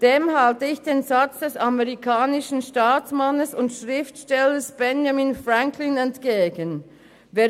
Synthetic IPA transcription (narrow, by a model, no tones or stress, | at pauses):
d̥eːmhaltəɪçd̥eːnzat͡sd̥ɛsamɛʁikʰaːnɪʃn̩ʃtaːt͡smanəsʊntʃʁɪftʃtɛləsb̥ɛnjaminfʁaŋkʰlɪnɛntɡ̥eːɡən | veː